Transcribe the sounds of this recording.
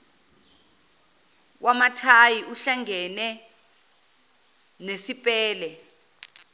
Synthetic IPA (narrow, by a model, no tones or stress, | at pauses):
wʔamatʰajiʔuɬaŋʱɛnɛ | nesipʼɛːlɛ